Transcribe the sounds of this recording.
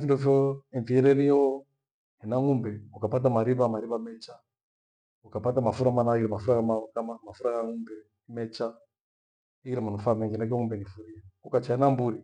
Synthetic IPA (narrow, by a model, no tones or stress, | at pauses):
findɔfjɔiɱfiɛɾɛɾiɛɔ | hɛnaŋumbɛukapat̬amaɾiβamaɾiβamɛt͡ʃa | ukapatamafuɾamanaiɾɛmafuɾakamakamamafuɾaɣaŋumbɛ | mɛt͡ʃa | iiɾɛmanufamɛŋɡinakiɔŋumbɛŋifuɾiaukat͡ʃaɛnambuɾi